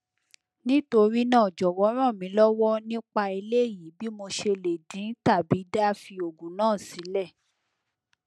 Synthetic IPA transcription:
nĩ˦to˧ɾi˦nãː˦˨d͡ʒɔ˨wɔ˨˦ɾ̃ã˦˨mĩ˨˦lɔ˦wɔ˦nĩ˦k͡pa˧i˧le˦˨ji˨˦bi˦mo˧ʃe˧le˨dĩ˨˦ta˦˨bi˨˦da˦fi˧o˨ɡũ˨nãː˦˨si˨˦lɛ˦˨

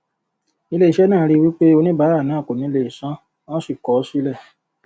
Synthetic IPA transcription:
i˧le˧i˨ʃɛ˨˦nãː˦˨˦ɾi˦˧wi˦k͡pe˦o˧nĩ˦ba˨˦ɾa˦˨nãː˨˦˨ko˨nĩ˨˦˧le˧˨i˨sã˦ | wã˦si˦˨kɔ˨˦si˦lɛ˦˨

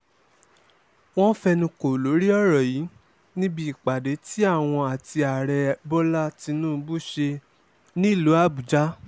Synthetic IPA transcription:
w̃ɔ̃˦fɛ˧nĩ˧ko˨lo˨˦ɾi˦ɔ˦˨ɾɔ˨ji˨˦ | nĩ˦bi˧i˨k͡pa˨de˨˦ti˦a˦˨w̃ɔ̃˧a˨ti˧a˨ɾɛ˧bɔ˦la˦ti˧nũː˦˧bu˦ʃe˧ | nĩ˦i˦˨lu˨˦a˦˨bu˨d͡ʒa˦

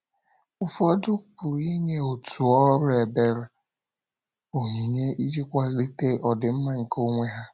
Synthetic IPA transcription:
ʊ˦fɔ˦dʊ˦k͡pʊ˨ɾi˦ɲe˦o˨tu˨ɔ˦ɾʊ˦e˨be˦ɾe˨ | o˨ɦi˨ɲe˦i˦d͡ʒi˦kʷa˦li˦te˦ʔɔ˨dɪ˨m̩˦ma˦ŋ̩˨ko˦ŋʷe˦ɦa˦

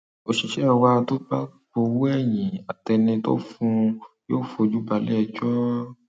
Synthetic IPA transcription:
o˧ʃi˨ʃɛ˦˧wa˧to˦ba˦ɡ͡bo˧wu˦ɛ˦˨jĩ˨a˨tɛ˧nĩ˧to̰˦fũ˧joː˦˨fo˧˨˧d͡ʒu˦ba˨˧˦lɛ˦˧˨d͡ʒɔ˦

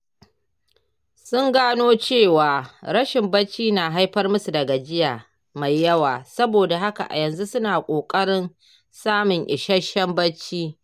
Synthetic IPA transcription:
sʊ˦ŋɡaː˦noː˦t͡ʃeː˦˨waː˨ɾɐ˦ʃɪ˨mbɐ˦t͡ʃːiː˦naː˨ɦa˦jɸɐ˦rmʊ˦su˨dɐ˨ɡa˨d͡ʒɪ˦jaː˨ | ma˨jːɐ˦waː˨sɐ˦boː˨da˨ɦa˦ka̰˨ʔa̰˨jɐ˨nzu˦sʊ˦naː˨kʷʼoː˨kʼɐ˦ɽɪ˦n | saː˦mʊ˨ŋʔɪ˨ʃɐ˦ʃɐ˦mbɐ˦t͡ʃːiː˦

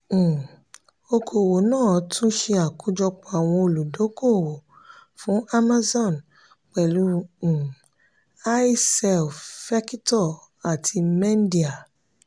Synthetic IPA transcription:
o˧kʰo˨wo˨nãː˦˨˦tʰũ˦ʃe˧a˨ku˦d͡ʒɔ˧k͡pa˨a˨w̃ɔ̃˧o˧lu˨do˨˦ko˦˨wo˨ | fũ˨˦a˦ma˦zɔ̃˦˨n | k͡pɛ˨lũ˨˧˦ | a˦i˦sɛ˧˨lffɛ˦ki˦tɔ˦˨ | a˨tʰi˧mɛ̃˦n˦di˦˨a˨

